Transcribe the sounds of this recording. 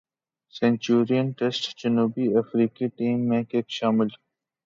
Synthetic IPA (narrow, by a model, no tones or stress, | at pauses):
sẽːɲt͡ʃuːɾijənʈesʈd͡ʒənuːbiɐfɾiːkiʈiːmːẽkeːkʃaːmɪl